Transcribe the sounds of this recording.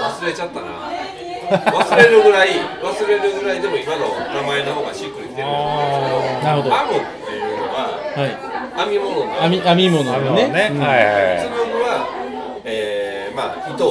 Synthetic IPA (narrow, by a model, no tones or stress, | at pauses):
βasɨɾe̞t͡ɕat̪ːana̰ | βasɨɾe̞ɾɯɡɯ̟ɾaiβasɨɾe̞ɾɯ̟ɡɯɾaid̪e̞mo̞imanonamaenoɦoːɡaɕikɯɾiit̪e | naɾɯ̟hod̪oamõt̪ːeɯːmonoβahai | amʲimononoamʲiamʲimonoamineneɯajasomonoβa | eː | maː | it̪o